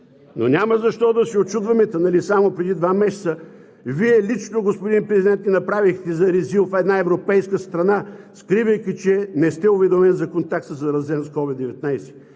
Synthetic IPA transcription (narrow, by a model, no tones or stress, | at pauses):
no̰nʲaməzɐʃt̪ɔd̪ɐsiot͡ʃud̪vɐmɛt̪ənɐlisamopɾɛd̪id̪vamɛʃsə | viɛlit͡ʃnoɡospod̪inpɾɛzid̪ɛnt̪nʲinɐpɾavixt̪ɛzɐɾiziofɛd̪naɛvɾopɛjskəst̪ɾɐnaskɾivəjkʲit͡ʃɛnɛst̪ɛovɛd̪omɛnzɐkont̪ak̚t̪səzɐɾɐzɛnskɔvid̪ːɛvɛt̪najsɛ̥